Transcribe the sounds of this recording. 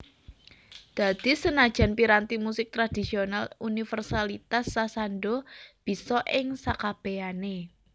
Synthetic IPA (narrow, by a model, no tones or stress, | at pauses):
d̪̥a̤d̪̥i̤sənad̥ʒ̥a̤npiɾant̪imusɪk̚t̪ɾad̪̥i̤sionalunifərsalit̪asːasanɖob̥i̤sɔʔɪŋsakab̥eane